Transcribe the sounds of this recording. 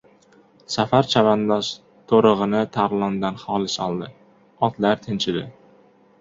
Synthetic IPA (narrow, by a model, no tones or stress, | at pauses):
safaɾt͡ʃʰavand̪aʃ | t̪ʰoɾɨʁɨnɪt̪ʰaɾlˠɒnd̪anχɒlɪsɒlˠd̪ɪ | ɒt̪laɾt̪ʰɪnt͡ʃʰɪd̪ɪ